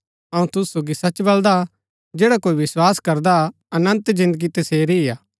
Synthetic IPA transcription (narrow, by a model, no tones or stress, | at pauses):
ɐũt̪ʊsːoːɡisɐt͡ʃbɐld̪a | d͡ʒeːɽakoːiʋɪswaːskɐɾd̪a | ɐnə̃nt̪zɪ̃nd̪əɡit̪ɐseːɾiɪjaː